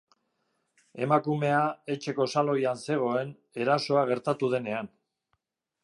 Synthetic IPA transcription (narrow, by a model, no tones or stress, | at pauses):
e̞makume̞ae̞t͡ʃe̞ko̞salo̞janse̞ɣ̞o̞e̞n | e̞ɾaso̞aɣ̞e̞ɾt̪at̪uðe̞ne̞an